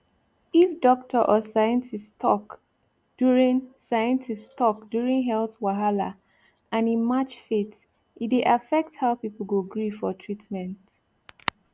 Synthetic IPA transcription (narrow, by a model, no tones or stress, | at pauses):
ifdɔktʰəʔɔsajə̃ntistʰɔk | d̥juɹĩŋsajə̃ntʰistɔk̚djuɹĩŋɦɛlθwaɦala | ãnĩnmat͡ʃfet | ʔideʔafɛk̚thaʊpipl̩ɡuɡɹifɔtʰɹitmɛ̃nt